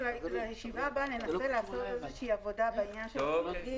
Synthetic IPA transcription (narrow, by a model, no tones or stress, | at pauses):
aiajeʃivabane̞nase̞laːsotezeʃeiavo̞dabainjanʃeli